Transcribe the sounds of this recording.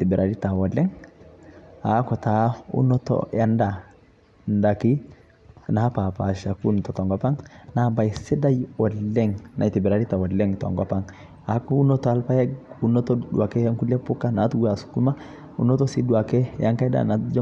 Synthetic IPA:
ti˨bɛ˨ɾʔa˨li˦ta˨wɔ˨lɛ˦ŋ | a˨˦kɔ˨t̪a˨ṵ˦nɔ˦t̪ɔ̰ja˦nda˨ | nda˨ki˦ | na˨ha˦pa˨pa̰˨ʃa˨ku˦nɔtɔ˨tɔ˨ŋɡɔ˦pa˦ŋna˨˦ba˨jsi˦da˦jɔ˨lːɛ˦ŋna̰˨jt̪i˨bɛ˨ɾa˨ɾi˦ta˨wɔ˨lɛ˦ŋtɔ̰˨ŋɡɔpa˦ŋ | a˨˦ku˦u˦nɔ˦t̪ɔ˦a˦lpa˦jɛ˦u˦nɔ˦t̪ɔ˦du˨a˨kɛ˦ja˦ŋku˦lɛ˦pu˦kːa˦na˨˦t̪wa˨su̥˨ku˦ma˦ | ṵ˦nɔ˦tɔ˦si˦du˨a˨kɛ˦ja˦ŋka˦jda̰˨na˨td͡ʒ

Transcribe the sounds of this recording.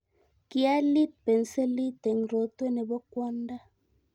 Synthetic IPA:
ki˦a˦li˦t̪̚pe˨n̩˨˦se˦li˦t̪e˨ŋ˨ɾo˨t̪we˦nɛ˨bɔ˦kwɔ˦nda˦

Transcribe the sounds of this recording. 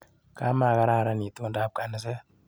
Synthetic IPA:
ka˦ma˨ɡa˦ɾa˦˨ɾa˦ni˨t̪ʼo˦ndaː˦b̚kʼa˨nɨ˦˨s̬ɛ˦

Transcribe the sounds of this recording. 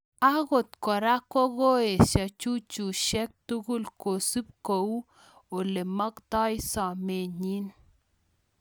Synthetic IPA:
a˦ɣo˨t̪kɔ˨ɾa˦kɔ˦ɣo˦e˨sa˨t͡ʃu˦t͡ʃu˨ʃɛ˦k̚tu˦ɡu˦lko˨si˦p̚ko˨u˦ | o˨le˨mɔ˦ktɔ˦jsɔ˨me˨ɲi˦n

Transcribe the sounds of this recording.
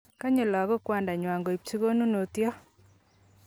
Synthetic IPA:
ka˦ɲo˨lɔ˨ɡɔ˦kwa˨nda˨ɲwa˨ŋɡɔ˨i˨p̚t͡ʃi˦ɡo˦nu˦no˨t̪jɔ˦

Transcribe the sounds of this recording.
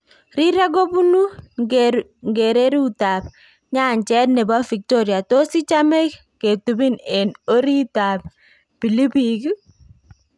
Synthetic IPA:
ɾi˦ɾa˦ɡo˦bu˦nu˦ | ŋɡe˨ɾe˦ɾu˦ta˨p̚ | ɲa˦˨ɲt͡ʃɛ˦tnɛ˨ba˦fi˨k̚tɔ˦ɾja˨to˦si˦t͡ʃa˦mɛ˦k | ke˨tu˨bi˦nɛ˨no˦ɾi˦ta˨p̚ | pi˨li˦pik

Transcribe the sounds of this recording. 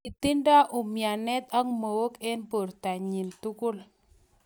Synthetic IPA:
ɪ˨t̪i˦nda˦ʔʊ˨mja˨nɛ˦t̪a˦ŋmo˨wo˦ke˦npo˨ɾta˨ɲi˨ntu˦kʊ˦l

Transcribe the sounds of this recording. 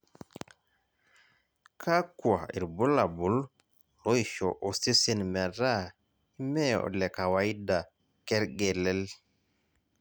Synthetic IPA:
kʰa˦kwa˨ḭ˨ɾbu˦la˨bu˨l | lɔ˦ʃɔ̰˨ʔo˨si˦si˦˨nmɛ˨ɾa˦ | i˦mɛ˦o̰˨lɛ˨ka˨wa˨i˦da˨ | kɛ˦ɾɡɛ˨lɛ˦l

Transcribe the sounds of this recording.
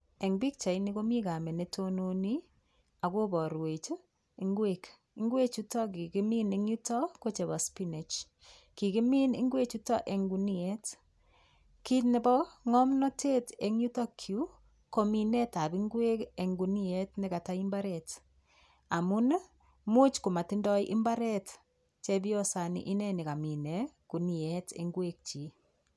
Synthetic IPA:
e˨ŋbi˦k̚t͡ʃa˨i˦ni˦ko˦mi˦ka˨mɛ˨ne˦tʰo˦no˦ni˦ | a˨ko˦bɔ˨ɾwe˨t͡ʃ | i˨ŋɡwek | i˦ŋɡwe˦t͡ʃu˦tɔ˦ki˨ki˦mi˦ne˨ŋju˦tɔ˦ko˦t͡ʃe˨ba˨spi˦ne˨t͡ʃ | ki˨ki˦mi˦nɪ̰˦ŋɡwe˦t͡ʃu˦tɔ˦ʔe˨ŋɡu˨ni˦e˦t | ki˦tne˦bɔ˦ŋɔ˦mnɔ˦tʰe˦te˨ŋu˦tɔ˦kʰju˦ | ko˦mi˨nɛ˦ta˨bi˦ŋɡwe˦ke˨ŋɡuni˦e˦tnɪka˨ta˦i˦mba˦ɾɛ˨t | a˨mu˦n | mu˦t͡ʃku˨ma˨ti˦ndɔ˦jʔɪ˦mba˦ɾɛ˦t | t͡ʃe˦bi˦ɔ˦sa˨nḭ˨ʔɪ˦nɛ˦nɪ˨ka˨mi˨ne˨ku˨ni˨e˦tḛ˨ŋɡwe˦k̚t͡ʃi˨

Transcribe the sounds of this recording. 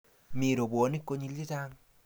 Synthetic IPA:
mi˨ɾo˨bwo˨ni˦kːo˦ɲi˦˧lːi˦ta˦ŋ

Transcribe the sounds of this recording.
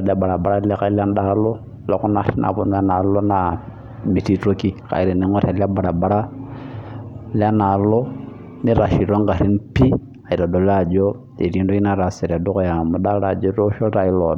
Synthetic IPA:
la˦ba˨ɾa˨ba˨ɾa˦lɛ˦ka˦i˦la˦nɗa˦lo˦ | la˨ku˦na˦˨ɾi˦nʔa̰˨bu˨m˦a˦na˨lo˦na˨ | mi˨ti˦to˦ki˦ka̰˨i˨ɾi˨ni˨˦ŋɔ˦ta˨la˦ba˨ɾa˨ba˨ɾa˦ | li˦a˦na˨lɔ˦ | ni˦ɾa˨ʃi˨ɾo˦ŋɡa˨ɾi˦npi˦ | a˨i˨ɾa˨do˨la˦d͡ʒo˦ | ḛ˨ɾi˦ndo˦i˦na˦ɾa˨sɛ˨ɾa˨do˦ko˦ja˨mu˨da˦ɾa˨d͡ʒɔ˦ɾo˦ʃo˦ta˨i˦lɔ˨˦

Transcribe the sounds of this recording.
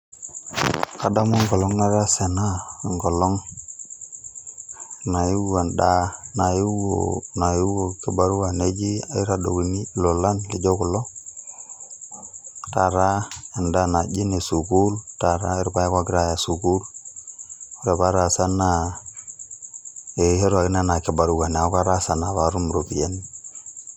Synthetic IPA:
ka˦da˦mo˦ŋɡɔ˨lɔ˦ŋna˦ɾa˦se˨na˦˨ŋɡɔ˨lɔ˦ŋ | na˨ju˦wa˨nda˦na˨ji˦wo̰˨na˨ju˦wo˨ki˦ba˦ɾu˦a˨ne˦d͡ʒi˦a˨i˦ɾa˨do̰˨ki˨ni˦lo˨la˦nke˨d͡ʒo˦ku˨lɔ˦ | ta˨ɾa˦e˨nda˦na˨d͡ʒi˦ne˨su˨ku˦lta˨ɾa˦e˦ɾpa˦ja˦kwa˦ɡɾa˦ja˨su˨ku˦ɾ | o˦ɾe˨ba˦ɾa˨sa˦na˨ | e˨he˦ɾa˨ki˦na˦na˨ki˨ba˨ɾu˦ɡa˨n˨a˨˦ka˦ɾa˦sa˨na˨βa˨ɾu˦mɾo˨pi˨e˦ni˦

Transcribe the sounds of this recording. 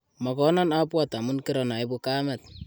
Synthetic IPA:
mɔ˨kɔ˦nɔ˦na˦pwata˨mu˦nkiɾɔ˨na˨i˦bu˦ka˦mɛ˨t̚

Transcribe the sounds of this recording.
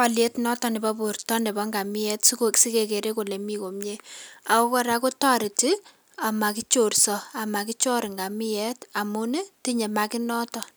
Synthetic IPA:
a˨le˦tnɔ˦tɔ˨nɪ˨ba˦bu˨ɾtɔ˦nɛ˨bɔ˦ŋɡa˨mi˦jɛ˦tsu˦ko˨ksi˦ke˨ke˨ɾe˦ko˨le˨mi˦ko˨mɲe˦a˨ko˦kɔ˦ɾa˦ko˦ta˦ɾɪ˨ti˦ | a˨ma˨ki˦t͡ʃo˨rsɔ˨a˨ma˨ki˦t͡ʃo˦ɾŋɡa˨mɪ˦jɛ˦ta˨mu˦nɛ˦ti˦ɲe˨ma˦kɪ˦nɔ˦tɔ˨

